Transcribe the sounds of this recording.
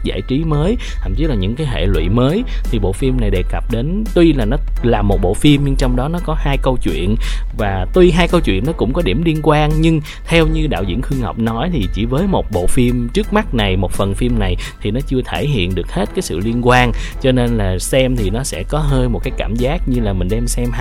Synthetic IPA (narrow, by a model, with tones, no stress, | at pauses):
za̰ː˧˩jt͡ɕi˨˦məː˨˦j̪ʰa̰˨˧˩t͡ɕi˨˦laː˨˩ɲɨ̰˧˥ŋkaː˨˦jɦḛ˧˨lwḭ˧˨məː˨˦j | t̪ʰi˨˩ɓo̰˧˨fi˧mna˨˩jɗe˨˩kə˨˩p̚ɗe˨˦nt̪wi˧laː˨˩nɔ˨˦laː˨˩mːo˨˩t̚ɓo̰˧˨fi˧mɲɨ˧ŋt͡ɕɔ˧wŋ͡mɗɔ˨˦nɔ˨˦kɔ˨˦haː˧jkə˧wt͡ɕwḭ˧˨ənvaː˨˩t̪wi˧ɦaː˧jkə˧wt͡ɕwḭ˧˨ənːɔ˨˦kʊ̰˧˥ŋ͡mkɔ˨˦ɗi˧˩əmli˧ənkwaː˧nɲɨ˧ŋ | t̪ʰɛ˧wɲɨ˧ɗa̰ː˧˨wzḭ˧˩ənxɨ˧əŋhə̰˨˩wk͡p̚nɔ˨˦jt̪ʰi˨˩t͡ɕi˧˩vəː˨˦jmo˨˩t̚ɓo̰˧˨fi˧mt͡ɕɨ˦˥ək̚ma˦˥t̚na˨˩jmo˨˩t̚fə˨˩nfi˧mna˨˩jt̪ʰi˨˩nɔ˨˦t͡ɕɨ˧ət̪ʰe˧˩ɦḭ˧˨ənɗɨ˨˩ək̚he˦˥t̚kaː˨˦jsɨ̰˧˨li˧ənkwaː˧nt͡ɕɔ˧ne˧nlaː˨˩sɛ˧mt̪ʰi˨˩nɔ˨˦sɛ̰˧˥kɔ˨˦ɦəː˧jmo˨˩t̚kaː˨˦jkaː˧˩mzaː˦˥k̚ɲɨ˧laː˨˩mï˨˩ŋ̟ɗɛ˧msɛ˧m˧